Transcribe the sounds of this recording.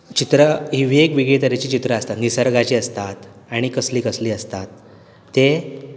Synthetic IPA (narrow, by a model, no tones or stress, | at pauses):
t͡ɕit̪ɾəɦiʋiekʋiɡet̪əɾet͡ɕiːt͡ɕit̪ɾəəst̪at̪nisəɾɡat͡ɕiːəst̪at̪ | aɽ̃ikəsliːkəsliːəst̪at̪ː | e